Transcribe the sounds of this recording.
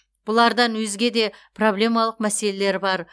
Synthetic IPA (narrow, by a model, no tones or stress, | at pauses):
b̥ʊlˠɑɾd̪ɑnwɵzɡʲe̞d̪e̞pro̞blʲe̞mɑlˠəq̚mæse̞le̞le̞ɾbɑɾ